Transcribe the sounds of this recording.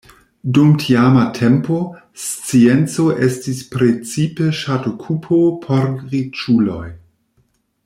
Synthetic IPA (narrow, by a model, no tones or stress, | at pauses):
dumtʰiamatʰempo | st͡sient͡soʔestispɾet͡sipeʃatokʰupʰopʰoɾʁit͡ʃulo̰j